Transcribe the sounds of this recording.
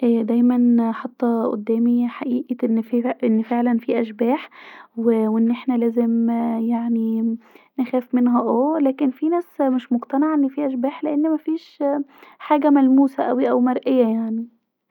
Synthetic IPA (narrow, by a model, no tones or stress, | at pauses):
ʔæːd̪æjmænħɑt̪ˤːɑʔo̰d̪ːæːmiħaʔiːʔiʔnːfʔenːfeʕlænfiːʔæʃbæːħwewʔenːʔeħnælæːzemjaʕninexæːfmenɦæʔoːlæːkenfinæːsmeʃmoɡt̪ɑneʕaʔenːɪfiːʔæʃbæːħleʔenːmæfiːʃ | ħaːɡæmælmuːsæʔæwiʔæwmɑɾˤʔejːæjaʕni